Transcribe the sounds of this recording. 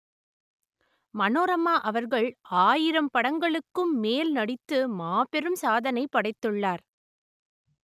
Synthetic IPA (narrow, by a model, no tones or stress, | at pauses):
mɐnoːɾɐmaːʔɐʋɐɾɣɐɭaːjɪɾɐmpɐɽɐŋɡɐɭɯkːɯmːeːlnɐɽɪt̪ːɯmaːpɛɾɯmsaːðɐnɐɪpːɐɽɐɪt̪ːɯɭːaːɾ